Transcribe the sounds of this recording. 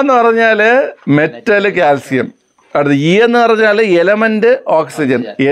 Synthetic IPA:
nːɨpɐrɐɲːaːlme̞tːɐlɨkaːlsijɐ̰m | ɐɽɨðɨiːe̞nːɨpɐrɐɲːaːlelɐmɐndɨʔoːksid͡ʑɐne

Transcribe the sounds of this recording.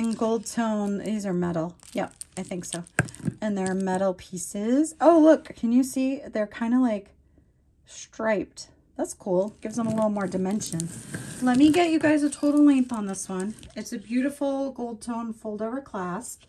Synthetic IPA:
ɨ̃nɡoʊlˠd̚tʰõʊ̃nɪzə˞mɛɾl̩ˠ | jɛp̚aɪθɪ̃ŋksoʊɨ̃nðə˞ːmɛɾl̩ˠpʰisɪz̥oʊlʊkʰːɨ̃njɨsiðə˞kʰãɪ̃ndəlaɪk | stɹ̥aɪp̚t | ðætskʰulˠɡ̥ɪvzə̃məlɪɾl̩ˠmɔɹdɨmɛ̃nʃɨ̃nz̥lɛt̚miɡɛt͡ʃɨɡaɪzɨtʰoʊɾl̩ˠlɛ̃nθn̩ðɪswʌ̃nɨtsɨbjʉɾɨfl̩ˠɡoʊlˠd̚tʰõʊ̃nfʊʊlˠdoʊvə˞kʰl̥æs

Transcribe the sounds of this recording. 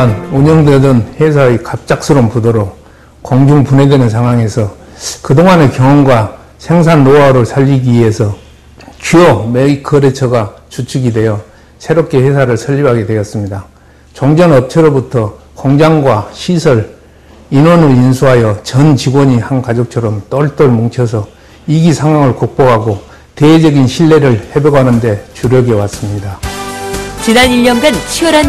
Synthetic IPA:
anoɲʌŋdwedʌnhe̞sʰaekap̚t͡ɕ͈ak̚s͈ʰɯɾompudoɾo | kʌŋd͡ʑuŋpune̞dwenɯnsʰaŋɦwaŋe̞sʰʌ | kɯdoŋanekjʌŋʌnɡwa | sʰe̞ŋs̬ʰanːoaɾɯɭsʰaʎːiɡiɥiɦe̞sʰʌ | t͡ɕiomeikʰɯɾe̞t͡ɕʰʌɡat͡ɕut͡ɕʰuɡidwe̞jʌ | sʰe̞ɾop̚k͈e̞he̞sʰaɾɯɭsʰʌʎːibaɡe̞dwe̞jʌs͈ɯmɲida | t͡ɕoŋd͡ʑʌnʌp̚t͡ɕʰʌɾobutʰʌkoŋd͡ʑaŋɡwaɕʰisʰʌɾ | inwʌnɯɭinsʰuɦajʌt͡ɕʌnt͡ɕiɡwʌɲihankad͡ʑok̚t͡ɕʰʌɾʌmt͈ʌɭt͈ʌɭmoŋt͡ɕʰʌs̬ʰʌ | iɡisʰaŋɦwaŋɯɭkok̚p͈oɡɦaɡo | ted͡ʑʌɡinɕʰiɭːe̞ɾɯɭhe̞bjʌɡanɯnde̞t͡ɕuɾjʌɡewas͈ɯmɲida | t͡ɕinaniʎːʌnɡant͡ɕʰiʌɾan

